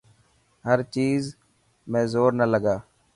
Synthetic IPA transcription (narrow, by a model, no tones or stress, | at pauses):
ɦəɾt͡ʃiːz | mɛ̃ːzoːɾnələɡaː